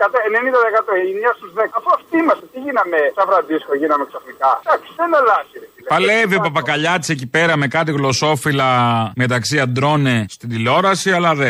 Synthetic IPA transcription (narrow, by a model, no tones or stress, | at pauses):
kɐt̪ɐenenĩnd̪ɐðekɐt̪oimɲɐst̪uzðekɐfost̪imɐst̪et̪iʝinɐmesɐvɾɐd̪iskoʝinɐmeksɐfnikɐd̪̥ɐksi̥enelɐsiɾeipɐleviopɐpɐkɐʎɐt̪i̥secipe̞ɾɐme̞kɐt̪̬iɣlo̞so̞filɐme̞t̪ɐksiɐd̪ɾo̞nestt̪id̪ilo̞ɾɐsiɐlɐðe